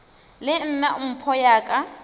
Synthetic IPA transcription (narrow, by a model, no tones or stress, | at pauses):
lɪn̩naʊm̩pʰɔjaːkʼa